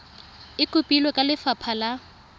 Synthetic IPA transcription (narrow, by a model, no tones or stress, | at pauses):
ɪkʼʊpʼilwɔkʼalɪfapʰala